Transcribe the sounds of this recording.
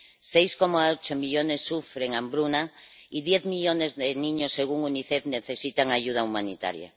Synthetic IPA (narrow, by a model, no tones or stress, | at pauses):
sejskomaot͡ʃomiʎonesːufɾeŋambɾuna | iðjeθmiʎonezðenĩɲosːeɣ̞uŋuniθeðneθesit̪aŋaʝuð̞aumanit̪a̰ɾja̰